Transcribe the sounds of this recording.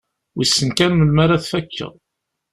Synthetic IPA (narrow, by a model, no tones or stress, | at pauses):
wisːənkænmənmaɾaθfækʰːə̰ðˤ